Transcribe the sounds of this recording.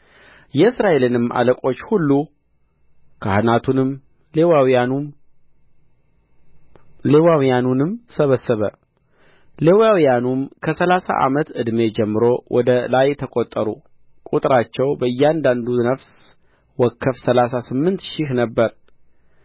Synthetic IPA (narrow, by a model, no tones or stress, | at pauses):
jɛɨsɾaʔe̞lɨnɨmʔa̰ləkʼo̞t͡ʃːhulːu | kʰahnat̪ʰunɨm | ewaw | lewawjanunɨmsəβəsːəβə | lewawjanumkʰəsəlasa̰ʔa̰mət̪ɨd̪me̞d͡ʒɛmːɨɾo̞wʔɔd̪əlajt̪ʰəkʼot̪ʼːəɾṵ | kʼut̪ʼɾat͡ʃːɛwbəɨjːɛand̪and̪unəfs | wɔkʰːəfsəlasasɨmːɨnt̪ʃɪhnəbːəɾ